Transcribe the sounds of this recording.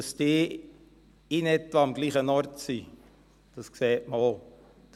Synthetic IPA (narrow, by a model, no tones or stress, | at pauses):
ɑst̪eː | ɪnɛt̪ʋɑɑmɡ̥liːχənɔɾtsi | d̥ɑskseːtməo | d̥